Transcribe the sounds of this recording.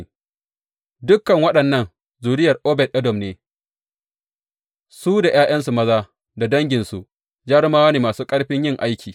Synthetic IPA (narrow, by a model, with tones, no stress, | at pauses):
dʊ˦kːɐ˨ŋwɐ˦ɗɐ˨nːɐ˦n | zuː˨ɽɪ˦jɐ˨rʔɔː˦bɛ˨tʔɛ˦dɔ˨mneː˨ | suː˦da˨jaː˦jɐ˦ns̬u˨mɐ˦zaː˦ | da˨dɐ˦ŋɡʲɪ˨nsu˨ʔ | d͡ʒɐ˦ɽmaː˦wɐ˦ni˨maː˨suː˦kʼɐ˦ɽɸɪ˦ɲjɪ˦ŋʔa˦jkʲʰiː˨